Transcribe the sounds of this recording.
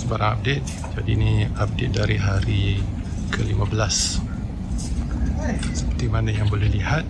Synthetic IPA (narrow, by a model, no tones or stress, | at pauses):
səbaɾaŋap̚det̪̚ | d͡ʒadiniap̚det̪̚daɾiɦaɾi | kʰəlimãbəlas | səpərt̪imanajaŋbəlɛlihat̪̚